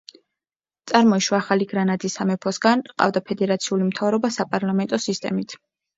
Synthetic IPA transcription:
t̪sʼaɾmɔiʃwaːχaliɡɾanad̪isamɛpʰɔsɡanqʼa̰vd̪apʰɛd̪ɛɾat̪sʰiulimt̪ʰavɾɔbasapʼaɾlˠamɛnt̪ʼɔsist̪ʼɛ̰mit̪ʰ

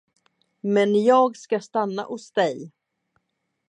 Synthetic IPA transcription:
mɛnjɑːɡskast̪anːa̰ʔʊsd̪ɛj

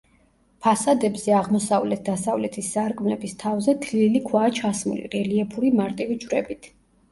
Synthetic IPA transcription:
pʰasad̪ɛbzɛaʁmɔsavlɛt̪̚ʰd̪̥asavlɛt̪ʰisːaɾkʼmlɛbist̪ʰavzɛd̪ʰlilikʰwaːt͡ʃʰasmṵlḭʁɛliɛpʰuɾimaɾt̪ʼivid͡ʒvɾɛbit̪ʰ

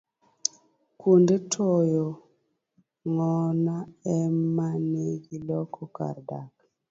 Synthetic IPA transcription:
kundetʰɔjɔ | ŋɔnaɛmaneɡilɔkʰɔka̰ɾdak̚

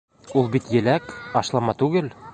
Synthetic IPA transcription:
ulˠbit̪jɘ̆lækɒʃlˠɑmɑt̪ʉɡɘl

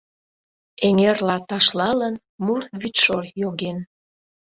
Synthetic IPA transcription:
eŋerlɑt̪ɑʃlɑlən | murβyt̪ʃorjoɣen

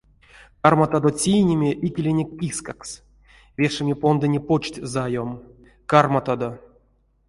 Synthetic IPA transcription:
karmat̪ad̪ot͡sʲijnʲemʲeʔikʲelʲenʲekʲːiskaks | vʲeʂɨmʲepo̞nd̪ɨnʲepot͡ʃtʲzajom | karmat̪ad̪o

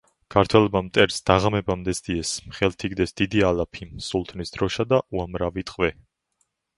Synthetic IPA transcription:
kʰaɾt̪ʰwɛlɔbamt̪ʼɛɾsd̪̥aʁamɛbamd̪ɛsd̪iɛsmχɛlt̪ʰiɡd̪ɛsd̪̥id̪ialapʰisulˠt̪ʰʼnisd̪̥ɾɔʃad̪aʔuamɾavit̪ʼqʼvɛ

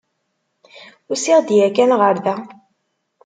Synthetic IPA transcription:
ʊsiʁd̪jækænʁəɾðæ

